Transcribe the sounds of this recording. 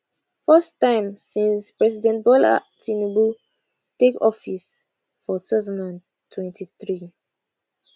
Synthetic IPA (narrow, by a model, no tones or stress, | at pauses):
fɜstːãɪ̃msĩnspɹɛsidɛ̃nt̚bɔla̰tĩnubu | tekɔfis | fɔt̪azɔ̃ndãn | tʰwɛ̃ntʰiθɹi